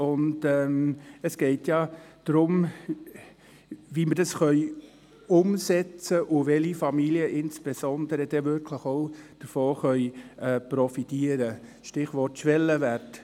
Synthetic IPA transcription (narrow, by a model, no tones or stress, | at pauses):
ʊndɛːməsɡ̥ɛɪtjɑd̥ɾʊm | vimədɑsχœʏ | ʊmsɛt͡səʔʊʋɛlifɑmiliəʔɪnsb̥ɛsɔnd̥əɾəd̥ɛvʏɾkʰləχoʊd̥əɾfoːχœʏɛprɔfitiəɾə | ʃtɪχʋɔɾtʃʋɛlːəvært